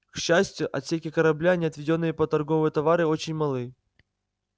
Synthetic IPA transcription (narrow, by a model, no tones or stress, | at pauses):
kɕːæsʲtʲjʊʔɐt̪sʲekʲɪkəɾɐblʲanʲɪɐt̪vʲɪdʲo̞nːɨjəpət̪ɐrɡo̞vɨjət̪ɐvaɾɨo̞t͡ɕɪnʲmɐlˠɨj